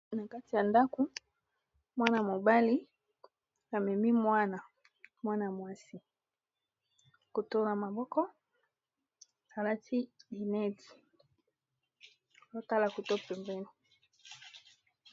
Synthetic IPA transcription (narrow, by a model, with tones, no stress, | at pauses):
na˨ka˦ti˨ja˨nda˦ko˨ | mwa˦na˨mo˨ba˦li˦ | a˨mɛ˨mi˦mwa˦na˨ | mwa˦na˨mwa˦si˨ | ko˨to˦na˨ma˨bɔ˦kɔ˦ | a˨la˦tʰi˦i˨nɛ˦ti̥˨˦ | o˦ta˦la˨ko˨to˦pɛ˨mbɛ˦ni˨